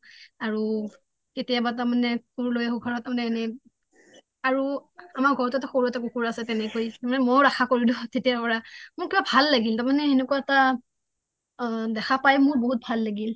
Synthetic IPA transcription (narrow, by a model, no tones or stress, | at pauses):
aɹu | ketijabatamanɛkuɹlojɛɦuɡʱɔɹɔtamanɛnɛ | aɹuamaɹɡʱɔɹɔtuɛtaxoɹuɛtak̬ukuɹasɛtɛnɛkojtamanɛmojɹaxʰakoɹidʊ̃tetijapɔɹamʊɹkibabʱalːaɡiltaɹmanɛenɛkuaɛta | dɛxʰapajmʊɹboɦut̚bʱalːaɡil